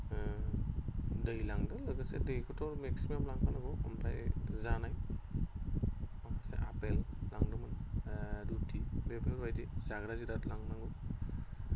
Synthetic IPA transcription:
dɯjlaŋdɯlɯɡɯsɛ̰dɯjkʰɯtɔɾmeksimamlaŋpʰanaɡɔ̰mpajzanaj | akʰasḛʔa̰pellaŋdɯmɯndutibebeɾbajdizaɡɾazidatlaŋnaŋɡɯ

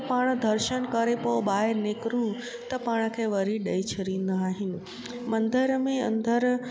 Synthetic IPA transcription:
paːɽ̃d̪ʱɐɾʃənkɐɾepoɓaːɪɾnekɾũ | t̪ɐpaːɽ̃kʰeːʋɐɾiɗɐit͡ɕʰɐɾĩːn̆d̪aaːɦɪnɪ̆ | mɐ̃nd̪əɾmẽɐ̰̃nd̪əɾ

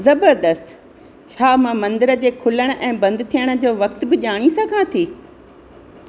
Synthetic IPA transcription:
zɐbəɾd̪əst̪ | t͡ɕʰaːmãmɐ̃nd̪əɾə̆d͡ʑeːkʰʊləɽ̃̆ʔɛ̃ːbɐ̃nd̪t̪ʰijəɽ̃̆d͡ʑoːʋɐkt̪bɪʄaːɽ̃isɐɡʱãt̪ʰiː

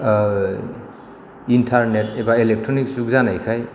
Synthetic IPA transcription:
intʰaɾnet̚ebaelek̚tʰɾoniksukzanajkʰaj

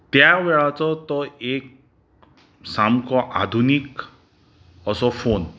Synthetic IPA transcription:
t̪jawɛɭat͡sɔt̪ɔek | samkɔʔad̪ʱunik | ɔsɔpʰon

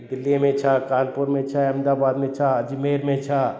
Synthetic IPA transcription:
d̪ɪlːimẽt͡ʃʰakaːnpuɾmẽt͡ʃʰaəmd̪aːbaːd̪mẽt͡ʃʰad͡ʒmeːɾmẽt͡ʃʰa

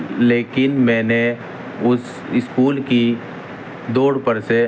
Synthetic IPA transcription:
leːkɪnmɛ̃ːne | ʊs | ɪskuːlki | d̪oːɽpəɾse

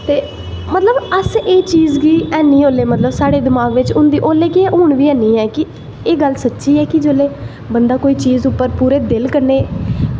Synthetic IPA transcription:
t̪eː | mət̪ləbəseːt͡ʃiːzɡiːɛːnĩːoːleːmət̪ləbsaːɽeːd̪ɪmaːɡʋɪt͡ʃʊ̃nd̪iːʔoːleːkɪeːʔoːɳʋiːɛːnĩːɦɛːkɪ | eːɡəlsətːʃiːɛːkɪd͡ʒoːleː | bənd̪aːkoːiːt͡ʃiːzʊpːəɾpuːɾeːd̪ɪlkəɾneː

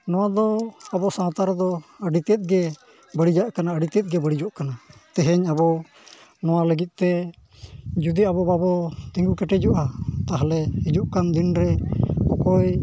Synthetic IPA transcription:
nɔwad̪ɔabɔsãːt̪aɾd̪ɔəɖit̪ɛt̪̚ˀɡɛ | bəɽid͡ʒaʔkanaəɖit̪ɛt̪̚ɡɛbəɽid͡ʒɔʔkanat̪ɛɦɛɲabɔ | nɔwaləɡit̪̚ˀt̪ɛ | d͡ʒud̪iabɔbabɔt̪ĩŋɡukɛʈɛd͡ʒɔʔat̪aɦlɛid͡ʒuʔkand̪inɾɛkɔkɔj

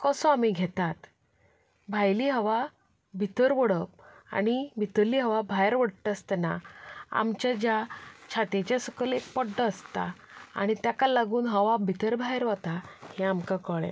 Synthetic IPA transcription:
kəsɔamiɡʱet̪at̪ | bʱajliɦəʋa | bʱit̪əɾʋəɽəp̚ | a̰ɽ̃ibʱit̪əɾliːɦəʋabʱajɾʋəɽt̪əst̪naa̰mt͡ɕad͡ʑat͡ɕʰat̪et͡ɕasəkʰəlek̚pɔɖːəːst̪a | a̰ɽ̃it̪jakalaɡuːnɦəʋabʱit̪əɾbʱajɾʋət̪aheamkakəɭḛ

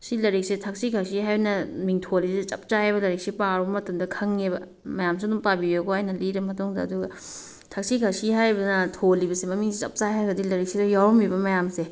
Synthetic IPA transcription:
silɐɾik̚setʰɐk̚sikʰaksiɦajbɐnɐmiŋtʰoliset͡ʃɐ̰p̚t͡ʃaajβɐlɐɾik̚sipaɾbɐmɐtɐmdɐkʰɐŋebɐ | mɐjamsiɐduŋpabijoɡoajnɐliɾɐmɐtuŋdɐːduɡɐ | tʰɐk̚sikʰasiɦajbɐnɐtʰolibɐsemɐmiŋsit͡ʃɐ̰p̚t͡ʃajɦajɡɐdilɐɾik̚sidɐjawɔmibɐmɐjamse

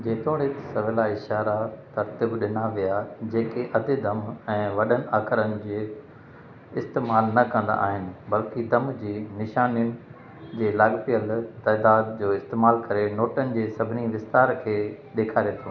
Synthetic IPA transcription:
d͡ʑeːt̪ʰoːɽet̪sɐʋʱɪlaɪʃaːɾat̪ɐɾt̪ibɗɪnaʋijad͡ʑeːkeʔɐd̪ʱɪd̪ɐmɛ̃ːʋɐɗənɪ̆aːxɪɾənɪ̆d͡ʑeː | ɪst̪eːmaːlnɐkɐ̃nd̪a̰ʔa̰ːɦɪnɪ̆bɐlkid̪ɐmd͡ʑiːnɪʃaːnijʊnɪ̆ | d͡ʑeːlaɡt̪ijəlt̪ɛːd̪aːd̪d͡ʑoːɪst̪eːmaːlkɐɾenoːʈənɪ̆d͡ʑeːsɐbʱɪniʋɪst̪aːɾkʰeːɗeːkʰaːɾijet̪ʰjõː

